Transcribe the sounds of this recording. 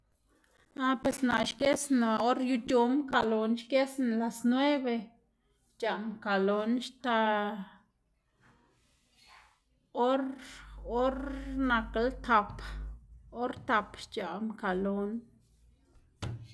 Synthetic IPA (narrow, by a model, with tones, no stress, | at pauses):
a˧pwe˨sna˨ʔʃke˦sna˨o˦ɾju˧t͡ʃo˧mka˧lo˧nʃke˦sn˨la˨snwe˦be˧ | t͡ʃa˨mka˨lo˧nʃt̪a˧ | o˦ɾo˦ɾna˧klt̪ʰa˨p | o˦ɾt̪a˨˧pt͡ʃa˨mka˨lo˨˦n